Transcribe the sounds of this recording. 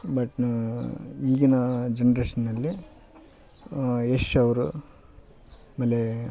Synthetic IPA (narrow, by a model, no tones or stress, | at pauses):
bɐʈn | iːɡinɐd͡ʒenɐɾeːʂɐnːɐlːi | eʂɐʋɐɾu | mɐlːe